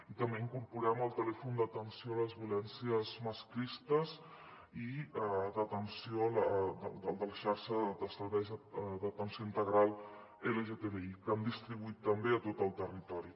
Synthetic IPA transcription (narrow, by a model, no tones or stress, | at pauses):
it̪əmbeiŋkuɾpuɾɛməlˠt̪əlɛfund̪ət̪ənsioələzβjulɛnsiəzməskɾist̪əz | iɛd̪ət̪ənsiold̪ə̰d̪əlˠd̪ələʃaɾʃəd̪əsəɾβɛjzd̪ət̪ənsioint̪əɣɾalˠ | eləʒet̪eβeikəmd̪ist̪ɾiβuit̪ːəmbeət̪ot̪əlˠt̪ərit̪ɔɾi